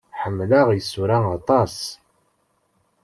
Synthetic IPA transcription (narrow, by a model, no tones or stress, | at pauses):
ħəmːlaʁjəsːuɾæɑt̪ˤɑs